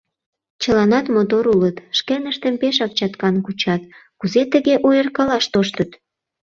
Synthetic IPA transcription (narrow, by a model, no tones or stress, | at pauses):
t͡ɕəlɑnɑt̪mot̪oɾulət̪ʃkenəʃt̪əmpeʃ̬ɑk̚t͡ɕɑt̪kɑnkut͡ɕɑt̪kuzet̪əɣeʔojərkɑlɑʃt̪oʃt̪ət̪